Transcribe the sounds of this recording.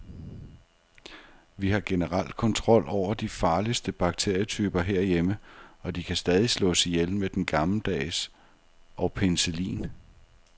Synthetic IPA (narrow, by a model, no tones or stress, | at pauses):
ʋihɑ̈ɡ̥e̝nəʁal̰d̥̚kʰɒ̽nt͡sʰʁɒ̽l̰ʔɒʊ̰ɐd̥ifɑ̈ːlisd̥əb̥ɑ̈ɡ̥̚t͡sʰe̝ɐ̰jət͡sʰyːb̥ɐɦeɐ̰jeməɒ̽d̥ikʰæsd̥ɛːð̞ˠislɔ̰ːsjelmed̥enɡ̥ɑ̈ml̩d̥ɛ̰ːs | ʔɒ̽ʊpʰenselḭːn